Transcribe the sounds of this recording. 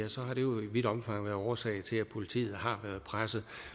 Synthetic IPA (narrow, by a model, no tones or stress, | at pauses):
æsɒ̽ɦɑ̈ɾ̥e̝jo̝iʋiɾ̥ɒ̽mfɑ̈ŋ̰ʋæɐðˠɒːsɛ̰ɪt͡sʰe̝læpʰo̝lit͡sʰḭːð̩ˠɦɑ̈ʋæɐðˠpʰʁasəð̩ˠ